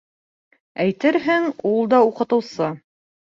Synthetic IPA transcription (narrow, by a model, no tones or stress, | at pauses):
æjt̪ɘɾɦɘŋulˠd̪ɑuqɤ̆t̪ɤ̆wsɤ